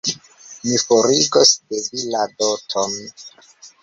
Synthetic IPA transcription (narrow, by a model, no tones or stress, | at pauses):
mifoɾiɡosdeviladotʰon